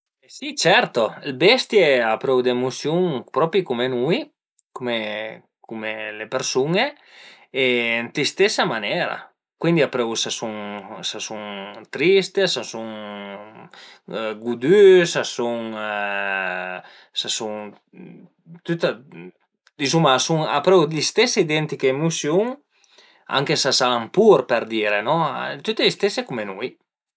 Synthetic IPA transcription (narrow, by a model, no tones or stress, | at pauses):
esit͡ʃɛɾt̪oelbɛst̪jeapɾɛwd̪emusjuŋpɾɔpɾikumenuj | kume | kumelepeɾsuŋe | ent̪ist̪esamanɛɾa̰ | kwind̪iapɾɛwsasuŋsasuŋt̪ɾist̪esasuŋ | ɡud̪ysasuŋ | sasuŋ | t̪yt̪a | d̪izumasuŋa̰pɾɛwlist̪ɛseid̪ɛnt̪ikeemusjuŋ | a̰ŋkesasaampuɾpeɾd̪iɾenɔt̪yt̪eist̪esekumenuj